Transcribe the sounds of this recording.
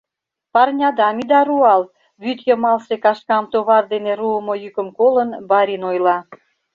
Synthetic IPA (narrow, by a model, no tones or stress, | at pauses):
pɑrnʲɑd̪ɑmid̪ɑɾuɑl | βyt̪jəmɑlʃekɑʃkɑmt̪oβɑrd̪eneɾuəmojykə̆mkolənbɑɾinojlɑ